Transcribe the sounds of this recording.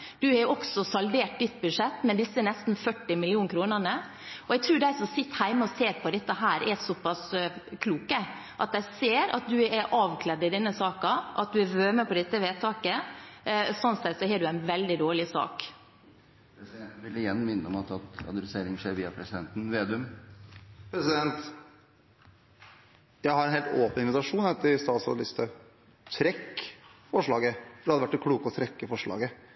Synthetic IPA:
d̪̥ʉhɛɾɔksɔsɑld̪eːʈ̚d̪ɪt̪̚ːbʉd̪ʂɛt̪ːmɛnd̪ɪsːəɛnɛst̪n̩fœʈːɪmɪlɪuːnkʰɾuːnənə | ɔɛɡ̚t̪ʰɾʉːɖæɪsɔmsɪt̪ːəhæɪməɔseːɾpʰɔd̪ɛt̪ːəɦæːɾʔɛsɔpːɑskʰluːkə | ʔɑt̪̚d̪æɪseːɾɑ̰t̪̚d̪ʉɛɾʔɑːʋkʰlɛd̪ɪd̪ɛnːəsɑːkɑʔɑ̰t̪̚d̪ʉɛʋøːməpʰɔd̪ɛt̪ːəʋeːt̪ʰɑːkə | sɔnsɛt̪sɔhɛːɖʉæɪnʋɛld̪ɪd̪oːɭɪsɑ̰ːk | pʰɾɛsɪd̪ɛnt̪nʋɪlːəɪjɛnːmɪnːəɔmɑt̪ʰɑt̪ɑ̰nɾɪseːɾɪŋʂeːɾʋiːɑpʰɾɛsɪd̪ɛnt̪n̩ʋeːd̪ʉm | pʰɾɛsɪd̪ɛnt̪ | jæɪhɑɾɛnheːlt̪oːpənɪnʋɪt̪ɑʂuːnɛt̪ːɪst̪ɑːt̪sɑ̰ɑlɪst̪ə | t̪ʰɾɛkːfɔʂɭɑːɡəd̪ɛhɑd̪əʋæʈːɛkʰɽuːkɔt̪ʰɾɛkːəfɔʂɭɑ̰ːɡə

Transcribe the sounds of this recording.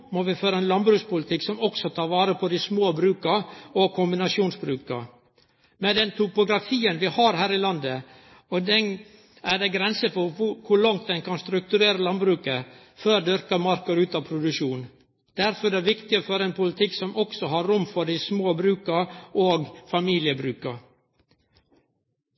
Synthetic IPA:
mɔʋɪføːɾəɛnlɑnbɾʉːkspʊlət̪ɪkːsɔmɔksɔt̪ʰɑːʋɑːɾəpʰɔd̪ɪsmoːbɾʉːkəɔkʰʊmbɪnɑʂuːnsbɾʉːkə̰ | mɛd̪ɛnt̪ʰʊpʊɡɾɑfiːənʋɪhɑɾɦæːɾɪlɑnd̪ə | ɔd̪ɛn | æɖ̪ɛɡɾɛnsəfɔɾʊkʰʊɭɑŋt̪̚d̪ɛnkɑnst̪ɾʉk̚t̪ʉɾeːɾəlɑnbɾʉːkə | føːɾd̪ʏɾkəmɑɾkəɾʉːt̪ɑːpʰɾʊd̪ʉʂuːn | d̪̥æɾfɔɾd̪ɛæʋɪkt̪ɪəfɔɾɛnpʰʊlət̪ʰɪkːsɔmʔɔksɔɦɑɾɾʊmːfɔɖɪsmoːbɾʉːkəɾʔoːɡfɑmiːlɪəbɾʉːkə

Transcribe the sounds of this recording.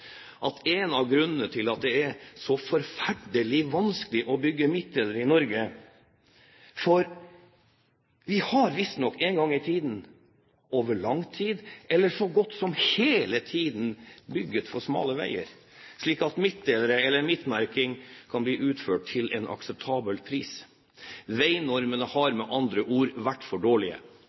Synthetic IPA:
ʔɑt̪ɛnɑʋɡɾʉnənət̪ʰɪlɑt̪̚d̪ɛæɾsɔfɔɾfæɖəlɪʋɑnskəlɪʔɔbʏɡːəmɪt̪̚d̪eːləɾəɪnɔɾɡə | fɔɾ | ʋɪhɑɾʋɪst̪nɔkːeŋɡɑŋːɪt̪ʰiːd̪n̩ | oːʋəɭɑŋt̪ʰiːd̪ʔɛlːəʂɔɡɔt̪ːsɔmheːlət̪ʰiːd̪n̩bʏɡːət̪fɔʂmɑ̰ːləʋæ̰ɪə̰ɾ | ʂɭiːkɑt̪mɪt̪̚d̪eːləɾəɛlːəɾmɪt̪mæɾkɪŋkʰɑnbliːʔʉːt̪føːʈ̚t̪ʰɪlɛ̰nɑ̰ksəp̚t̪ʰɑːbəlpʰɾiːs | ʋæɪnɔɾmənəhɑɾmɛʔɑnd̪ɾəʔuːɾʋæʈːfɔɖoːɭɪə̰

